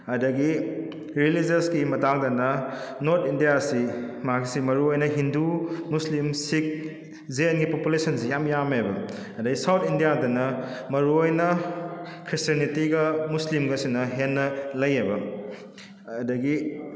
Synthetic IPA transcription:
ɐdɐɡi | ɾilid͡ʒeskimɐtaŋdɐnɐnoɾtʰindijasimɐaksimɐɾuojnɐɦindumuslimsik̚ | zenɡipopulesɐnsejamjamebɐ | ɐdɐɡisawtʰindijadɐnɐmɐɾuojnɐ | kʰɾistiɐnitiɡɐmuslimɡɐsinɐɦenːɐlɐjebɐ | dɐɡi

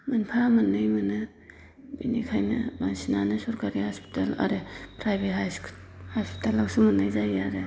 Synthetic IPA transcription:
mɯnpʰamɯnːɯjmɯnɯ | binikʰajnɯ̰baŋsinanɯsɔɾkaɾihɔspi̥tala̰ɾepʰɾajbeɦas | haspi̥talaksumɯnːajzajaɾe

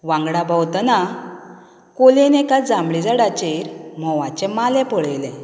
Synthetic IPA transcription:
ʋãŋɡɽabawt̪ana | kolenekat͡sd͡zãmɭid͡zaɽat͡ɕeɾmɔʋãt͡ɕɛmalɛpɔɭejlɛ̃

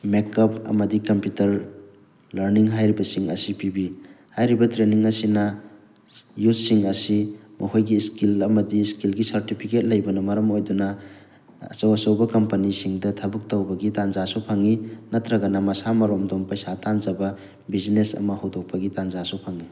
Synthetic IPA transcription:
mekɐp̚ʰɐ̰mɐdikɐmpjutɐɾ | lɐɾniŋɦajɾibɐsiŋɐ̰sipibi | hajɾibɐtɾeniŋɐsinɐ | jut̚siŋɐsimɐhʰojɡiskilɐmɐdiskilɡisɐɾtipʰiket̚lɐjbɐnɐmɐɾɐmojdunɐ | ɐ̰t͡ʃɐwɐsɐwbɐkɐmpɐnisiŋdɐtʰɐbɯk̚tɐwbɐɡitanzasupʰaŋinɐtʰɾɐɡɐnɐmɐsamɐɾomdompɐjsatanzɐbɐ | bizinesɐ̰mɐhawdok̚pɐɡitanzasupʰaŋi

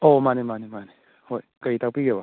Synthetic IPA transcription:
omanemanemane | hojkait̪ak̚piɡeba

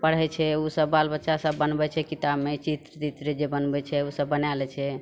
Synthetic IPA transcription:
pəɽ̤ɛt͡ʃʰɛusəbːalbətːʃasəbːənbɛt͡ʃʰɛkit̪abmet͡ʃit̪ɾt͡ʃit̪ɾed͡ʒebənbɛt͡ʃʰɛusəbːənalɛt͡ʃʰɛ

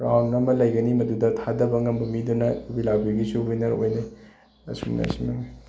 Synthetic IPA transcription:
ɾawnɐmɐlɐjɡɐnimɐdudɐtʰadɐbɐŋɐmbɐmidunɐbilawbiɐɡisubijnɐɾo̰jnɐj | ɐ̰sṵmnɐ̰simɐŋ

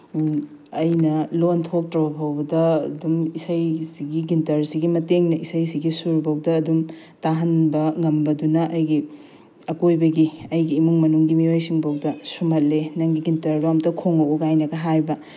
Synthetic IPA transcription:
ɐjnɐlontʰok̚tɾɐbɐpʰɐwbɐdɐɐdumisɐjsiɡiɡintɐɾsiɡimɐteŋnɐʔisɐjsiɡisuɾbɐwdɐːdum | taɦɐnbɐŋɐmbɐdunɐʔɐjɡi | ɐkojbɐɡiɐjɡiːmuŋmɐnuŋɡimiojsiŋbɐwdɐsumɐt̚lenɐŋɡiɡintɐɾlomtɐkʰoŋɐwuɡajnɐɡɐɦajbɐ

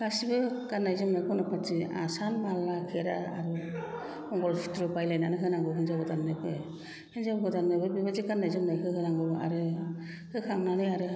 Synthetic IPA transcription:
kasibɯkanːajzɯmnajkʰɔnapʰat͡ʃia̰sanmalːakʰeɾaa̰ɾu | ɔŋɡɔlpʰi̥tɾɯpajlajnanɯɦɯnaŋɡɯwɦɯnzaɡɯtannɯpʰɯj | hɯnzabɯɡɯtannɯbʰɯbibazikandajzɯmnajɦɯɦɯnaŋɡɯa̰ɾɯ | hɯkʰaŋnanɯjaɾɯ

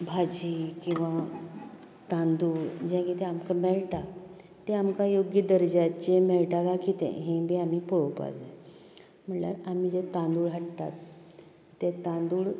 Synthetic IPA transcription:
bʱad͡ʑiːkĩw̃ʋa | t̪ãnd̪uːɭd͡ʑãkit̪ẽamkameɭʈa | t̪eamkajoɡjəd̪əɾd͡ʑat͡ɕemeɭʈakakit̪ḛ̃ɦẽbiamipoɭopa̰le | m̤əɳla̰ɾam̤id͡ʑet̪ãnd̪uːɭɦəʈt̪a̰t̪ː | et̪ãnd̪uːɭ

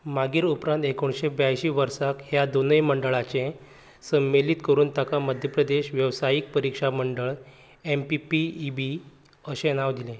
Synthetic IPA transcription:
maɡiːɾupɾãnt̪ekoɳɕebjajɕiːʋəɾsakɦjad̪onəjməɳɖəɭat͡ɕẽ | səmːelit̪kəɾuːnt̪akaməd̪ʱjəpɾəd̪eɕʋjəʋsajiːk̚pəɾikʂaməɳɖəɭ | empipiːbi | əɕẽnaʋd̪ilẽ

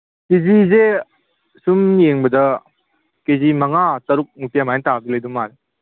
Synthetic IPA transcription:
kezize | sumjeŋbɐdɐ | kezimɐŋatɐɾuk̚nupijamajntabilɐjdumːaɾe

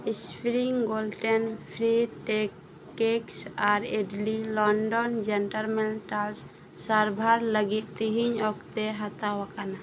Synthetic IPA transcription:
ispɾiŋɡolʈɛnpʰɾiʈɛkː | eksaɾeɖlilɔnɖɔnd͡ʒɛnʈaɾmɛlʈals | saɾbʱaɾləɡit̪̚ˀt̪iɦiɲɔkt̪ɛɦat̪awakana

